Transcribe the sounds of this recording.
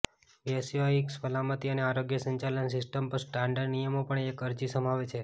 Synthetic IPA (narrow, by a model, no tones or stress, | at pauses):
ʋiesjoiksfəlamət̪iəneaɾoɡjəsəɲt͡ʃalənsɪsʈəmpəɾsʈaɳɖəɾnijəmopəɳekəɾd͡ʒisəm̤aʋet͡ʃʰe